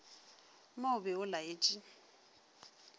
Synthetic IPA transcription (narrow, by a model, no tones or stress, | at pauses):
moʊbɛʊlaeːt͡ʃʼi